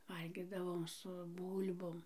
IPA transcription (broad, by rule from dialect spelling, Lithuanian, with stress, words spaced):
ˈʋɐlʲɡʲiːdɐʋoːm sʊ ˈbuːlʲboːm